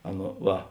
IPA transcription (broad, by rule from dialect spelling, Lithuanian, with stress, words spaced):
ˈɑːˌnɐ ˈʋɐ